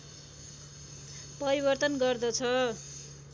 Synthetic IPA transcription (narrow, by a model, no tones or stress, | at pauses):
pʌɾibʌrt̪ʌnɡʌrd̪ʌt͡sʰʌ